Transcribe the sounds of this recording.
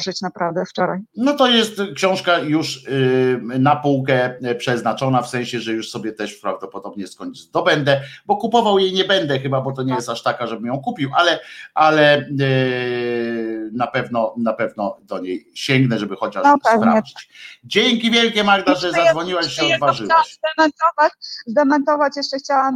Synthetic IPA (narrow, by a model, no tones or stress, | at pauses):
ɘt͡ɕnapɾavd̪ɛft͡ʂɔɾajnɔt̪ɔjɛst̪kɕɔ̃w̃ʂkajuʂ | napuwkɛpʂɛznat͡ʂɔnafsɛ̃ɕɛʐɛjuʂsɔbʲjɛt̪ɛʂpɾavd̪ɔpɔd̪ɔbɲɛskɔɲd̪ɔbɛnd̪ɛbɔkupɔvawjejɲɛbɛnd̪ɛxɘbabɔt̪̬ɔɲɛjɛst̪aʂt̪akaʐɛbɘmjɔ̃w̃kupʲiwʔalɛʔalɛ | napɛvnɔnapɛvnɔd̪ɔɲejɕɛŋɡnɛʐɛbɘxɔt͡ɕaʂɛvpɾa̰vd͡ʑit͡ɕd͡ʑeŋkʲivʲjɛlkʲɛmaɡd̪aʐɛzad̪zvɔɲiwaɕːɛɔzvaʐɘwɛwzd̪ɛmɛnt̪ɔvat͡ɕzd̪ɛmɛnt̪ɔvat͡ɕjɛʂt͡ʂɛxt͡ɕawam